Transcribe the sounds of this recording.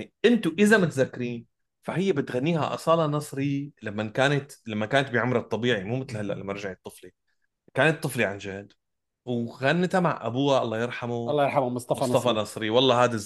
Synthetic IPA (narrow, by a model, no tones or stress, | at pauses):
ʔɪnt̪ʊʔɪzamɪt̪zakːɪɾiːn | faɦɪjːabɪt̪ɣanːiːha̰ʔɑ̰sˤɑːlɑnɑsˤɾilamːankaːnat̪lamːakaːnat̪biʕʊmɾɑt̪ˤːɑbiːʕimuːmɪt̪lhalːa̰ʔlamɑɾˤʒaʕit̪ˤːɨfli | kaːnɪt̪ˤːɨfliʕand͡ʒahd̪ | wɣanːɪt̪hama̰ʕʔa̰buːaʔɑ̰lˤːɑːjɪɾˤħamulːɑjɪɾħammʊst̪ˤɑst̪ˤɑfɑnɑsˤɾiwɑlˤːɑːhaːd̪a